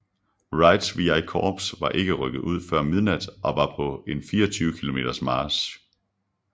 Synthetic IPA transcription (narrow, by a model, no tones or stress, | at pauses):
ʁɑ̈ɪd̥sʋiɑ̈ɪkʰɒːb̥sʋɑ̈ʔe̝ɡ̥əʁœɡ̥ð̞̩ˠʔuð̞̰ˠfɶɐ̰mið̞ˠnæd̥ʔɒ̽ʋɑ̈pʰɒ̽e̝nfiːɐɒt͡sʰyːʊəkʰilo̝me̝ːd̥ɐsmɑ̈ːs